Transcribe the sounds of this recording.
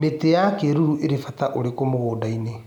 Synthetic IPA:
metejakeɾuɾuʔeɾefataʔoɾekomoɣoːdaine

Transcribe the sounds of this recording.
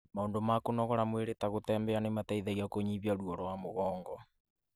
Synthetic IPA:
maoːndomakonɔɣɔɾamweɾetaɣotɛːmbɛanemataiðaɣiakoɲiβjaɾuɔɾɔwamoɣɔːŋɡɔ

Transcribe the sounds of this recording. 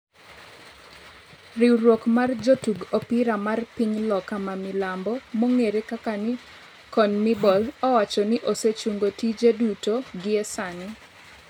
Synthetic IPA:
riwɾwokmard͡ʒotuɡopiɾamarpiɲlɔkamamɪlambɔmoŋeɾekakanɪ | kɔnmɪbɔlɔwat͡ʃɔnɪʔoset͡ʃuŋɡotid͡ʒedutoɡɪɛsanɪ

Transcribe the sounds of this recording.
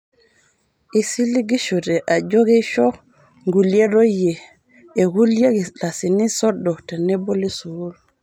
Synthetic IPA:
ʔisiliɡiʃɔdɛʔad͡ʒoɡɛʃɔ | ŋɡuljɛɾojjːɛ | ɛɡuljeɡilasinisɔɗːɔtanɛbolisuwul

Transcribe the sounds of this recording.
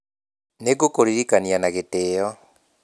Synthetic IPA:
neɡokoɾiɾikanianaɣeteːjɔ

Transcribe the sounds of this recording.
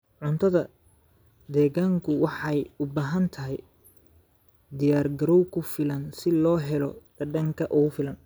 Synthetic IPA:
ʕʊnt̪ʰɐðɐ | d̪ɛːɣaːŋkʰʊwɑħɑjʊbaːɦɐnt̪ʰɐɦɛj | d̪ɪjaːrɡɐɾɔwkʰʊfɪlɐnsɪlɔːɦɛlɔ̰d̪̥ɐɖɐŋkʰɐʔʊɣʊfɪlɐn

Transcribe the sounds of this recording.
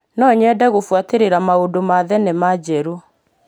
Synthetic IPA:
nɔɲɛdɛɣofwateɾeɾamaodomaðɛnemad͡ʑɛɾo

